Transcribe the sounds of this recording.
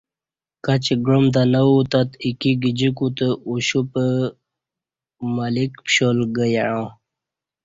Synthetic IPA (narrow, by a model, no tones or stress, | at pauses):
kat͡ɕɡɾumd̪anawut̪at̪ikiɡid͡ʑikut̪əuɕupə | malikpɕolɡəjaɻõ